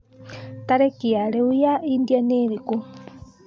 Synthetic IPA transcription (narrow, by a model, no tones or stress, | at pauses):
t̪aɾɛkiaɺeujaind̪janeɾiku